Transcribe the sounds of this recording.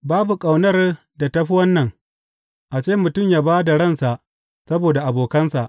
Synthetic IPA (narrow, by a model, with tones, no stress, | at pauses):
baː˦bu˨kʼa˨wnɐ˦r | da˨tɐ˦ɸi˦wɐ˦nːɐ˨ŋ | ʔa˨t͡ʃeː˦mʊ˨tʊ˦˨mjaː˦baː˦da˨ɽɐ˦˨nsa˨ʔ | sɐ˦boː˨da˨ʔa˨boː˨kɐ˦nsa˨ʔ